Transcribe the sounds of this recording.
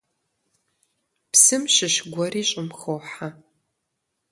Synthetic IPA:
psɨmʃɪʃɡʷɔriːɕʼɪmxowħa

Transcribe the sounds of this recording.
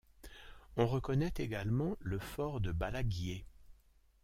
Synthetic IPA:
ɔ̃ʁəkɔnɛt̪eɡalmɑ̃ləfɔʁd̪əbalaɡje

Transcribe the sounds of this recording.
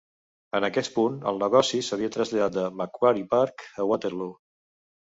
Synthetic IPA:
ənəkɛt̪punə̰lˠnəɣɔsisəβ̞iət̪ɾəzʎaðat̪d̪əməkwaɾipaɾkəwat̪eɾlu

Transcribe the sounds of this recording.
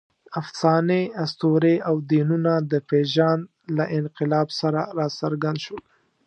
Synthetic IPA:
afsɑneast̪oɾeawd̪inunad̪əpeʒɑn | laʔɪnqɪlɑbsaɾaɾɑsaɾɡand̪ʃol

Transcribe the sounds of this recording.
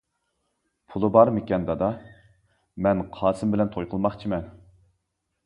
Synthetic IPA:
pʰulˠɨbɑɾmɪkʲɛnd̪ɑd̪ɑ | mɛnqʰɑːsɨmbɪlɛnt̪ʰojqʰəlˠmɑχt͡ʃʰimɛn

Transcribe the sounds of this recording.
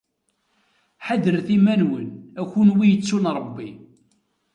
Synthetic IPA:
ħaðəɾθimænwənæçunwijət͡sːunɾˤəbːi

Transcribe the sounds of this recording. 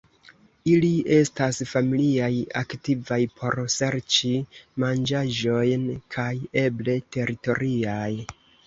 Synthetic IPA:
ilie̞stasfamiliaja̰ktivajpʰo̞ɾse̞ɾt͡ʃimand͡ʒaʒo̞jnkʰaje̞ble̞te̞ɾito̞ɾʔiaj

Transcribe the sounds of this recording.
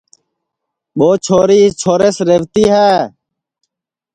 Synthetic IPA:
ɓoːt͡ʃʰoːɾiːt͡ʃʰoːɾeːsɾeʋt̪iːɦɛː

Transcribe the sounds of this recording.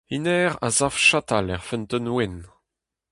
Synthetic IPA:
inɛʁa̰zafʃat̪alɛʁfɛnt̪ənwen

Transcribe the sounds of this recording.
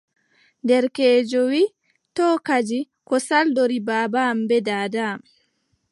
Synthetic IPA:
ndɛɾkɛːd͡ʒɔwiː | tɔːkad͡ʒi | kɔsaldoɾibaːbambɛdaːdam

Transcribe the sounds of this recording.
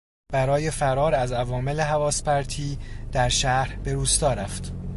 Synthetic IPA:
b̥æɾɒːje̞fæɾɒːɾæzævɒːmeleɦævɒːspʰæɾt̪ʰiːd̪̥æɾʃæɾb̥e̞ɾuːst̪ɒːɾæft̪

